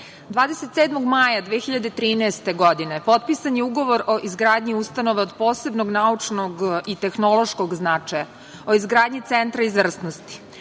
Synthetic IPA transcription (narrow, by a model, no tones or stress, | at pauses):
d̪ʋaːd̪eset̪seːd̪moɡmajad̪ʋeːxʲiʎad̪et̪ɾiːnɛest̪e̞ɡo̞d̪ine̞po̞t̪̚pisanjeuɡo̞ʋo̞ɾo̞ʔizɡɾaːd̪ɲiust̪anoʋeod̪po̞ːse̞bnoɡnaut͡ʂnoɡit̪e̞xno̞lˠo̞ʃkoɡznat͡ʂaja | oizɡɾaːd̪ɲit̪sent̪ɾaizʋr̩snost̪i̥